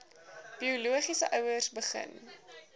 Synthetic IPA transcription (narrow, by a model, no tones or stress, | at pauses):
b̥iuluəχisəʔœwərsbəχə̰n